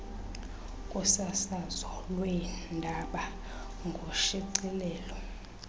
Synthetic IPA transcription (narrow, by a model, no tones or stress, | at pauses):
kʼusasazɔlwɛndʱaɓa | ŋɡʱoʃiǀilɛːlɔ